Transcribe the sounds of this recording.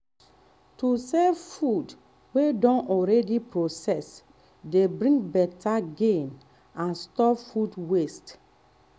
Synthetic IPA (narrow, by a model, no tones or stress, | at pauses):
tusɛvfud | wedɔ̃nʔɔɹɛdipɹosɛs | debɹĩŋbɛtaɡẽn | ãnstɔpfudwest